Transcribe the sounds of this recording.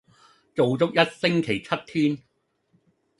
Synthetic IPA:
t͡so˨wt͡sʊ˥k̚jɐ˥t̚sɪ˥ŋkʰe˨˩jt͡sʰɐ˥t̚t̪ʰyː˥n

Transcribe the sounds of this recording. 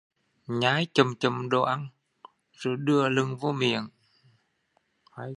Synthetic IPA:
ɲaː˨˦jt͡ɕə˨˩mt͡ɕə˨˩mɗo̰˧ʔa˧ŋ | zo˧˩jɗɨ˧əlɨ˧ŋvo˧mḭ˧˨ən˧

